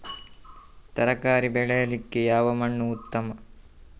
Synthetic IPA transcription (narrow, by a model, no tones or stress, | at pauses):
t̪ɐɾɐkaːɾibɛɭɛjɐlikːejaːʋɐmɐɳːuut̪ːɐmɐ